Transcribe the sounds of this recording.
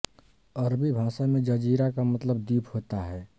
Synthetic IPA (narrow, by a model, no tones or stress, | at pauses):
əɾbibʱãːsamẽd͡ʒəd͡ʒiɾakamət̪ləbd̪iːpʰhoːt̪aɦɛ